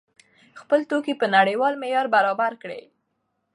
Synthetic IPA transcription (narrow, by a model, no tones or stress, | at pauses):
xpəlt̪okipənaɽəjwɑlmejɑɾbaɾɑbaɾkɽḛ